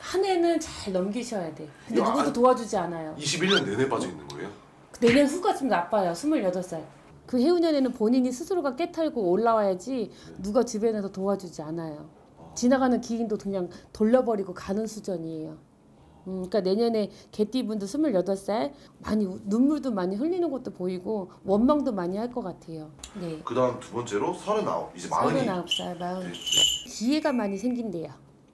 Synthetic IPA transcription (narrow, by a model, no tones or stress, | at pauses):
hane̞nɯnt͡ɕaɭnʌmɡiɕʰʌjade̞kɯnde̞nuɡdotoad͡ʑud͡ʑianajoiɕʰibiɭɲʌnːenep͈ad͡ʑʌinːɯ̰nɡʌ̰ḛjo | ne̞ɲʌnsuɡat͡ɕomnap͈ajosʰumɯɭjʌdʌs͈aj | kɯhe̞uɲʌne̞nɯnpoɲiɲisʰɯsʰɯɾoɡak͈e̞tʰaɭɡooɭːawajad͡ʑinuɡat͡ɕibe̞nasʰʌtoad͡ʑud͡ʑianajo | t͡ɕinaɡanɯnkiɡindokɯŋɲaŋtoʎːʌbʌɾiɡokanɯnsʰud͡ʑʌɲie̞jo | ɯik͈ane̞ɲʌne̞ke̞t͈ibundɯɭsʰɯmɯɭjʌdʌɭs͈ae | maɲinunːuɭdomaɲiɸɯʎːinɯnɡʌt̚t͈opoiɡo | wʌnmaŋdomaɲihaɭk͈ʌk͈atʰe̞jone̞kɯdaɦɯmtubʌnt͡ɕ͈e̞ɾosʰʌɾɯna̰o̰id͡ʑema̰ʌɾenaop̚s͈ajomaɯnkie̞ɡamaɲisʰe̞ŋɡinde̞jo